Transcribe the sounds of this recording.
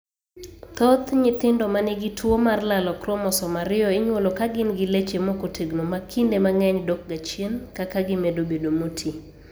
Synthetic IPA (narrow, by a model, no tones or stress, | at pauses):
t̪ɔt̪ɲɪt̪ɪndɔmanɪɡɪtwomarlalɔkɾɔmɔsɔmaɾɪjɔɪɲwolokaɡɪnɡɪlet͡ʃemokotʰeɡnomakʰindemaŋɛɲdok̚ɡat͡ʃjenkakaɡɪmedobedomutʰi